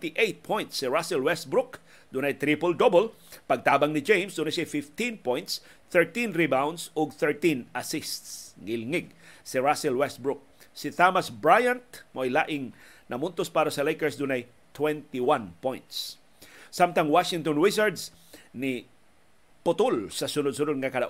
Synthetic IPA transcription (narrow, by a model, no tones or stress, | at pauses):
t̪ɪʔejt̪̚pʰɔ̃jnt̪sːɪɹasɛlwɛst̪̚bɾʊk | d̪ʊnɐjt̪ɾipold̪obol | pɐɡ̚t̪aːbɐŋnɪd͡ʒẽjmsd̪unɐsajfɪft̪ĩnpɔjnt̪s | θɛɹt̪ĩnɹibawnd̪sɔɡ̚θɛɹt̪ĩnɐsɪst̪sŋɪlŋɪɡ̚sɪɹasɛlwɛst̪̚bɹʊk̚sɪt̪amɐsbɹajãnt̪̚moʔɐjlaːʔɪŋ | nɐmʊnt̪ospaːɾɐsɐlejkɛɹsd̪ʊnɐj | t̪wɛnt̪ɪwanpɔjnt̪s | samt̪ɐŋwaʃɪŋt̪ɔnɹɪsaɹd̪s | nɪ | pʊt̪olsɐsʊnʊd̪s̬ʊnod̪̚ŋɐkɐd̪ɐʔ